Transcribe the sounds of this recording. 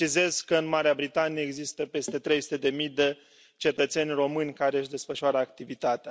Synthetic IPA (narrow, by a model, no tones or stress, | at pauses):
t͡ʃize̞z̥kəɨnmaɾeabɾit̪anijeːɡzist̪əpe̞st̪e̞t̪ɾe̞jsu̥t̪ed̪e̞mijd̪e̞ | t͡ʃe̞t̪ət̪se̞nʲro̞mɨnʲkaɾe̞ɨʃd̪e̞sfəʃʊaɾəakt̪ivit̪at̪ea